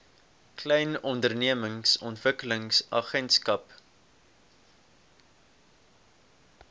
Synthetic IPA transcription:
klɛjnɔndərniəməŋsɔntvəkələŋsɐχɛntskɐp

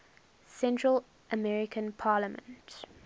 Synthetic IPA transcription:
sɛ̃ntʰɹəl | ʔəmɛɹɪkʰə̃npʰɑːləmə̰̃nt

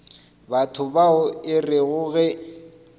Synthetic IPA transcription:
batʰʊbaʊɪrɪɣʊɣɛ

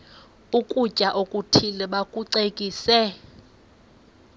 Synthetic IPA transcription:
ukʼut͡ʃʼaʔokʼutʰilɛɓakʼuǀekʼiːsɛ

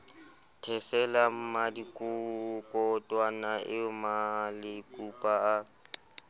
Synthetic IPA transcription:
tʰɛsɛlam̩madikʼʊkʼɔtʼwanaʔɪmalɪkʼupʼaa

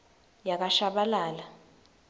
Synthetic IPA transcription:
jak̬aʃaɓalaːla

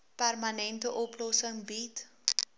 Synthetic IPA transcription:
pærmɐnɛntəʔɔplɔsəŋbit

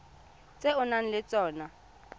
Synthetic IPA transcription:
t͡sʼɛʊnan̩lɪt͡sʼɔːna

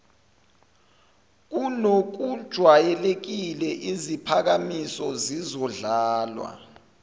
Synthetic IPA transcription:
k̬unok̬ud̥ʒ̥ʱwajɛlek̬ilɛʔizipʰak̬amisɔzizɔɮaːlwa̰

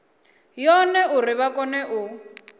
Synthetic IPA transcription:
jɔnɛʔurɪβakɔnɛʔʊ

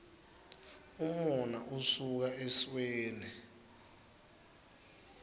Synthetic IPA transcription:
umɔnaʔusuk̬aʔesweːni

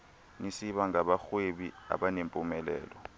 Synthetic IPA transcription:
nisiɓaŋaɓaxweɓia̰ɓanempʼumɛlɛ̰ːlɔ

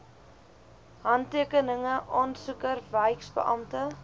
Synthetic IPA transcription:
ɦɐntiəkənəŋəʔɔnsukərvəjksbə̰ʔɐmtə

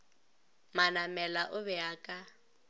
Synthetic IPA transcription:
manamɛlaʔʊβɛaːkʼa

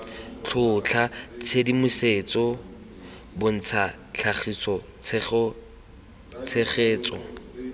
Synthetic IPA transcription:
t͡ɬʰʊt͡ɬʰat͡sʰedimʊseːt͡sʼɔ | bʊn̩t͡sʰa | t͡ɬʰaχisɔ | t͡s | t͡sʰeχeːt͡sɔ̰

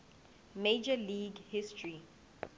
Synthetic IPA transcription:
med͡ʒəliɡhistʰɹi

